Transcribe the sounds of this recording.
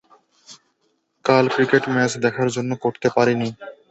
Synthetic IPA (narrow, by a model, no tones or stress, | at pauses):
kalkɾikeʈmɛsd̪ɛkʰaɾd͡ʑonːokoɾt̪epaɾini